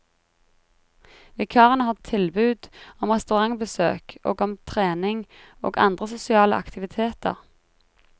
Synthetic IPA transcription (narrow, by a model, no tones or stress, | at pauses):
ʋɪkʰɑːʁənəhɑːʁt̪ʰɪlbʉːd̪ɔmʁɛst̪ʉʁɑŋbəsø̰ːkʔo̰ːɡɔmt̪ʰʁeːnɪŋo̰ːɡɑ̰nd̪ʁəsʊsɪɑːlə̰ʔɑ̰kt̪ɪʋɪt̪ʰeːt̪ə̰ʁ